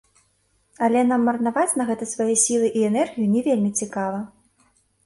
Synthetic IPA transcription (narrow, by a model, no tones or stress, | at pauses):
ɐlʲɛnamːɐrnavat͡sʲnɐɣɛt̪ɨsvajɛsʲilˠɨʔiɛnɛrɣʲijunʲɛvʲelʲmʲit͡sʲikavɐ